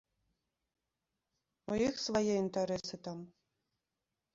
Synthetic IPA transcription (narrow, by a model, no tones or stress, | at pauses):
uixsvajɛint̪ɛɾɛsɨt̪am